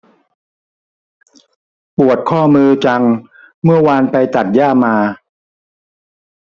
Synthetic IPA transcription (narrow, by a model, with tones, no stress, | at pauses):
pu˨˩ət̪̚kʰɔː˥˩mɯː˧t͡ɕa˧ŋ | mɯ˥˩ɐwaː˧npa˧jt̪a˨˩t̪̚jaː˥˩maː˧